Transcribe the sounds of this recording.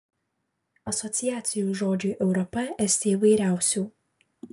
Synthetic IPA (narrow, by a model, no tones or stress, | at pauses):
ɐsɔt̪sʲɪjæːt̪sʲɪjuːʒoːd͡ʒʲuːˑʔɛʊɾɔpɐɛsʲt̪ʲeːiʋɐɪɾʲæˑʊsʲuː